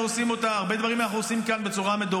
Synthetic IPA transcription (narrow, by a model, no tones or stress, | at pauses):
uosimo̞t̪aːʁbe̞d̪vaʁimːanaχuosimkanbe̞t͡suʁame̞d̪o